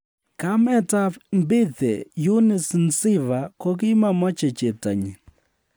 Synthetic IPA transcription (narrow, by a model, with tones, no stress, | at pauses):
kamɛ˦tambi˦θɛ˨ju˦ni˨sn̩si˦βa˨ko˦k̬i˦ma˨mɔ˦t͡ʃɛ˨t͡ʃɛ˨ta̰˨ɲi˨